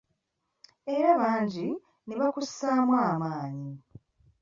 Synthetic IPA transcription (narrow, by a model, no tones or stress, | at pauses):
e̞ɾaβaːɲɟi | neβakusaːmwaːmaːɲi